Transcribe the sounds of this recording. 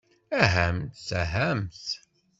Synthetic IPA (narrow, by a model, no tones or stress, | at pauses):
æɦæmθæɦæmθ